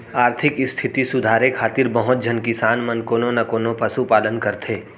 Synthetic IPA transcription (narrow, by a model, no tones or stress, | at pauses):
aːɾt̪ʰɪkɪst̪ʰɪt̪isʊd̪ʱaːɾekʰaːt̪ɪɾbəɦʊt̪̚d͡ʒʱənkɪsaːnmɐnkoːnonɐkoːnopɐsupaːlənkəɾt̪ʰeː